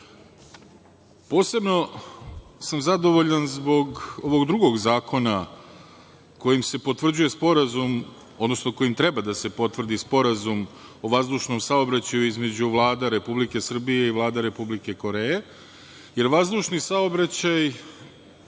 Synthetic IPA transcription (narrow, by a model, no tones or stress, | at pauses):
po̞ːse̞bno̞ | samzad̪o̞ʋo̞ʎanzbo̞ɡo̞ʋoɡd̪ɾuɡo̞ɡzaːkʰo̞na | ko̞jimse̞po̞t̪ʋr̩d͡ʑuje̞spo̞ɾazum | o̞d̪no̞snoko̞jimt̪ɾe̞bad̪ase̞po̞t̪vrd̪ispo̞ɾazum | o̞ʋazd̪uːʃno̞msao̞bɾat͡ɕajuizme̞d͡ʑuʋlˠaːd̪aɾe̞publike̞sr̩bije̞iʋlˠaːd̪aɾe̞publike̞ko̞ɾe̞je | je̞ɾʋazd̪uːʃnisaobɾat͡ɕaj